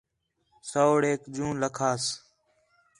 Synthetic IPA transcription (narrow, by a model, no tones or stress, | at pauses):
soːɽeːkd͡ʒũːnləkʰaːs